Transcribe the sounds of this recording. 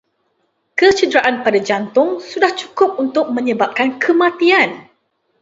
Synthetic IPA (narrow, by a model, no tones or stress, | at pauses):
kət͡ʃədɾaʔanpadad͡ʒant̪ʊŋsudaht͡ʃu̥kʊp̚unt̪ʊk̚mə̃ɲəbap̚kankʰəmãt̪ian